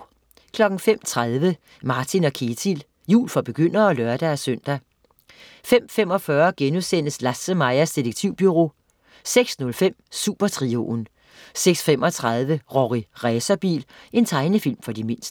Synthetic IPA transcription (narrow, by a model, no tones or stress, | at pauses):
kʰlɒ̽ɡ̥n̩fem̰t͡sʰʁað̞ˠʋə | mɑ̈ːt͡sʰinɒ̽kʰe̝t͡sʰil | jṵːlfɒ̽b̥e̝ɡ̥øn̰ɐɒ̽lɶɐd̥ææsøn̰d̥æ | fem̰fem̰ɒ̽fɶːɐɡ̥enusen̰əslæsəmɑ̈ɪɐsd̥iɾeɡ̥̚t͡sʰiʊ̰b̥yʁo̝̰ː | seɡ̥snɔ̽lfem̰suːb̥ɐt͡sʰʁio̝ːn | seɡ̥sfemʔɒ̽t͡sʰʁɑðˠʋəʁɒʁiʁɛːsɐb̥ḭːle̝nt͡sʰɑ̈ɪnəfil̰mfɒ̽d̥ime̝n̰sd̥ə